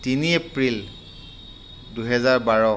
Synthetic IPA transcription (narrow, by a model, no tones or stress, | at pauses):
tiniepɹil | duɦɛzaɹbaɹɔ